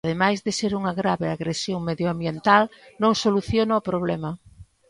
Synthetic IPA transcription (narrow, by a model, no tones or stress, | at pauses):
ðemajzðeseɾuŋɐɣɾaβeaɣɾesjoŋmeðjoambjent̪alnõŋsoluθjonaopɾoβ̞lɛmɐ